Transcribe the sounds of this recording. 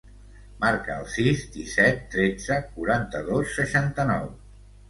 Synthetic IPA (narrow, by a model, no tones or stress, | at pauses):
maɾkəəlˠsizd̪isɛt̪ːɾed͡zəkuɾant̪əðosːəʃant̪ənɔw